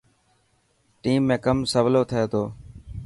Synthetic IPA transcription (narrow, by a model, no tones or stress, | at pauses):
ʈiːmːẽːkəmsəʋloːt̪ʰəeːt̪oː